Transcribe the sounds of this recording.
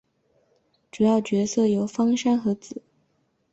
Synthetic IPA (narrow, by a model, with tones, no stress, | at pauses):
ʈ͡ʂu˨˩jɑ˥˩ʊt͡ɕɥɛ˧˥sɤ˥˩jo˧˥ʊfɑ˥ŋʂa˥nxɤ˧˥t͡sɹ̩˨˩˦